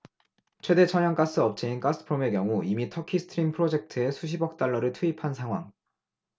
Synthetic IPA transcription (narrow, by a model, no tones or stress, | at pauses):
t͡ɕʰwe̞de̞t͡ɕʰʌɲʌŋk͈as͈ɯʌp̚t͡ɕ͈ʰeink͈as͈ʰɯ̥pʰɯɾome̞kjʌŋuimitʰʌkʰisʰtʰɯɾimpʰɯɾod͡ʑe̞k̚tʰɯe̞sʰuɕ̬ʰibʌk̚t͈aɭːʌɾɯɭtʰuipʰansʰaŋɦwa̰ŋ